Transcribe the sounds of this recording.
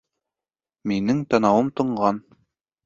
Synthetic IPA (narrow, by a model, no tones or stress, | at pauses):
minɘŋt̪ɑnɑwɤmt̪ɤ̆ɴɢɑn